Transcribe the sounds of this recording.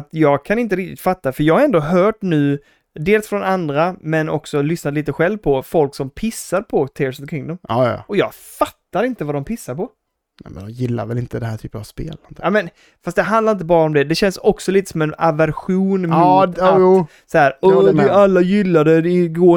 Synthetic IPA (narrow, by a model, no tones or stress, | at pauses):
t̪jɑːɡkʰanɪnt̪əɾɪk̚t̪ɪt̪fat̪ːafəɾjɑːɡhaɾɛnd̪oɦœːʈnʉ̟ː | d̪eːlsfɾɔnand̪ɾamɛnɔ̰ksɔlʏsnat̪liːt̪əɧɛlvpʰɔfɔlksɔmpʰɪsːaɾpʰɔt̪ʰɪːɾsnɔkʰɾɪŋd̪ɔm̰ːʔɔjɑ̰ːɡ | fat̪ːaɾɪnt̪əvad̪ɔmpʰɪsːaɾpɔ | nɛ̰mɛnd̪ɔjɪlːa̰ɾvɛlɪnt̪əd̪ɛnhæːʈʰy̰ːpənavspḛːlɔnmɛn | fast̪d̪ɛɦãnd̪laɾɪnt̪əbɑːɾaɔmd̪ɛd̪ɛɕɛnsɔksɔliːt̪ə̥sɔmɛna̰væɾɧuːnmːt̪ː | saæːɾɔdɪalːajɪlːad̪əd̪ɪɡoː